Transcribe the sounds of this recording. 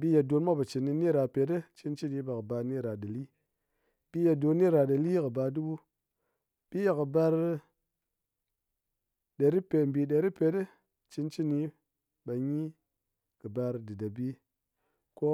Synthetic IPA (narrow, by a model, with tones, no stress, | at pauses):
bi˦ja˨do˧nmʷa˦ba˨t͡ʃi˨nːi˧ni˦˨ɾa˧pe˨˦tɨ˦t͡ʃi˧nt͡ʃi˦ni˧˦ba˨kɨ˨ba˧ni˦ɾa˨da˨li˦ | b̥i˦ja˨do˧nːi˦ɾa˧ɗa˨li˦kɨ˨ba˧du˦bu˦ | b̥i˦ja˨kɨ˨ba˧ɾ | ɗe˨ɾi˦pe˨m˨bi˨ɗe˨ɾi˦pe˨˦tɨ˦ | t͡ʃi˧nt͡ʃi˦ni˧ | ɓa˨˧ɲi˦ | kɨ˨ba˧ɾdɨ˨da˨bi˦ | ko˦